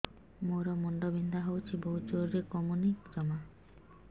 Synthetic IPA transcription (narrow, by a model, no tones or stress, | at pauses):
moɾɔmɔɳɖɔbind̪ʱaɦowt͡ʃʰiboɦut͡ʃoɾɾekɔmunid͡ʒɔma